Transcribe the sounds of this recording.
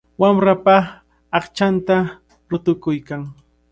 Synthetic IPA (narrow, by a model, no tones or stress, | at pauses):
wamɾapa | ɑχt͡ʃant̪a | ɾʊt̪ʊkʊjkaŋ